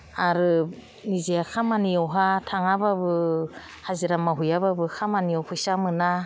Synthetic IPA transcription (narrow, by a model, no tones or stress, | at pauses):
aɾɯ | niziakʰamaniɔwɦatʰaŋababɯ | haziɾamaɦujaβabɯkʰamaniɔpʰujsamɯna